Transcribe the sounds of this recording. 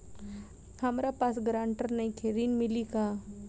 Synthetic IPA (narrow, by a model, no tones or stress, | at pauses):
hamɾapasɡɾaɳʈəɾnaĩkʰeɾiːnmilika